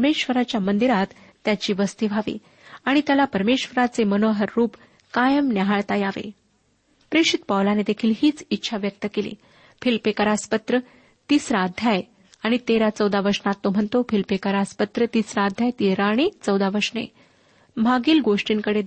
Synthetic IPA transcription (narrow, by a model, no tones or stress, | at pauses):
meɕʋəɾat͡ɕjamənd̪iɾat̪ː | jat͡ɕiːʋəst̪iʋʱaʋḭː | aɽ̃it̪jalapəɾmeɕʋəɾat͡semənoɦəɾːuːp | kajəmnaɦaɭt̪ajaʋḛ | pɾeʂit̪̚pawlaned̪ekʰiːlɦiːt͡sitːɕʰaʋjək̚t̪əkelḭː | filpekəɾaspət̪ɾə | t̪iːsɾad̪ʱjaj | aɽ̃it̪eɾat͡səwd̪aʋəɾʂnat̪ːom̤əɳt̪ofilpekəɾaspət̪ɾət̪iːsɾad̪ʱjajt̪iɾaɽ̃it͡səwd̪aʋəɾʂnḛ | bʱaɡiːlɡoʂʈiːŋkəɽe